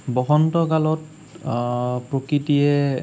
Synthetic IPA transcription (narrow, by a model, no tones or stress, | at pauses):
bɔxɔntɔkalɔt̚ | pɹokɹitijɛ